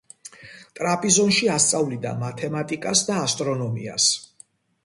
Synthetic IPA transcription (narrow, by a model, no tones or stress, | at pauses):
t̪ʼɾapʼizɔnʃiast̪sʼavlid̪a̰mat̪ʰɛmat̪ʼikʼasd̪aːst̪ʼɾɔnɔmḭa̰s